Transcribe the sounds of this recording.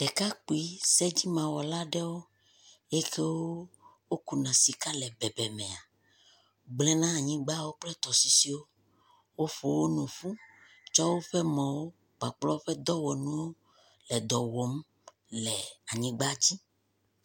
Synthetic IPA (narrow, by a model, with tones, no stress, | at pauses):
ɖ̥ɛ˨ka˦k͡pu˨i˦sɛ˦d͡ʑi˦mã˨wɔ˨la˦ɖɛ˦wo˦ | ɛ˦ke˦wo˦wo˦ku˨nã˨si˨ka˦lɛ˨bɛ˨bɛ˨mɛ̃˨a˨ | ɡ͡blɛ˦nã˦a˨ɲĩ˦ɡ͡ba˦wo˦k͡plɛ˦t̪ɔ˨si˨si˨wo˦ | wo˦fo˨wo˦nɔ̃˨fu˦ | t͡ʃɔ˦wo˦ɸɛ˦mɔ̃˨wo˦ | ɡ͡ba˨k͡plɔ˦o˦ɸɛ˦d̪ɔ˦wɔ˨nũ˦wo˦ | lɛ˨d̪ɔ˨wɔ˨m | lɛ˨a˨ɲĩ˨ɡ͡ba˦d͡ʑi˦